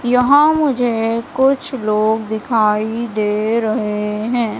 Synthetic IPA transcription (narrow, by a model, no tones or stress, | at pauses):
jɐɦãmʊd͡ʒʱekʊt͡ʃʰloːɡd̪ɪkʰaːid̪eːɾɐɦeɦɛ̃ː